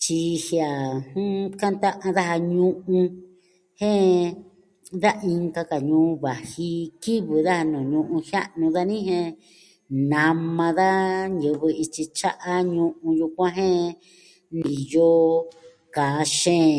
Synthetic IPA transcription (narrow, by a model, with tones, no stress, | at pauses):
t͡ʃi˧hja˨hũ˦ka˦nt̪a˦ʔã˧ða˦ha˧ɲũ˦ʔũ˧ | hẽ˦ | ða˦ʔi˧ŋka˧ka˨ɲũː˧˦˧βa˨hi˧ki˦βɨ˨ða˦ha˧nũː˨ɲũ˧ʔũ˧hja˦ʔnũ˧ða˦nĩ˦ɦẽ˧ | nã˧mã˧ða˦jɨ˧βɨ˧i˧t͡ʃi˧t͡ʃa˦ʔa˧ɲũ˧ʔũ˧ju˧kʷã˦ɦẽ˦ | nĩ˨jo˦ | kaː˨˦ʃẽː˦